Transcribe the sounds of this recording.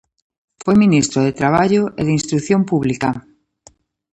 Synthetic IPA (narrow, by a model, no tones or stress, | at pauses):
fojminist̪ɾoðet̪ɾaβ̞aʎoʔeðinst̪ɾuθjompuβlika